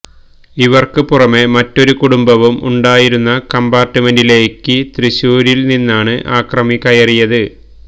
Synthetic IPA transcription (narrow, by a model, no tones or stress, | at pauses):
iʋɐrkɨpurɐme̞mɐtːo̞ɾukuɽumbɐʋumṵɳɖaːjiɾunːɐkɐmbaːrtːɨme̞ndile̞ːkːɨt̪riɕuːɾilninːaːɳɨʔaːkrɐmikɐjɐrijɐðɨ